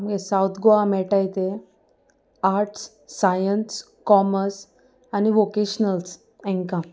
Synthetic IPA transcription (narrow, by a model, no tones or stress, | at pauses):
məɡesawt̪ʰɡoamɛʈajt̪e | aɾʈsː | ajəns | kɔməɾs | aniʋokeɕnəls | ɛ̃ŋkã